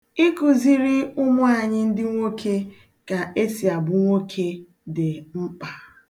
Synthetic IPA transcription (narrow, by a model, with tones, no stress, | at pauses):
i˦kʊ˨zi˦ɾi˦ʊ˦mʊ˦a˦˨ɲɪ˦n̩˦dɪ˦ŋʷo˦kʰe˦ | ka˨e˦si˨a˨bʊ˨ŋʷo˦kʰe˦ | dɪ˨m̩˦k͡pa˨